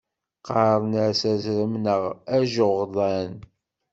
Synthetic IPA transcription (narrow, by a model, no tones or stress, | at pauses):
qɑðˤnəɾsæzɾəmnəʁæʒoʁðˤɑn